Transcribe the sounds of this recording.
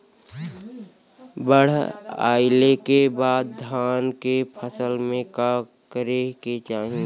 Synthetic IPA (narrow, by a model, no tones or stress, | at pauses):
bəɽ̤a̰ːɪlekebaːd̪̚d̪ʱaːnkepʰəsəlmẽka | kəɾeket͡ʃaːɦĩ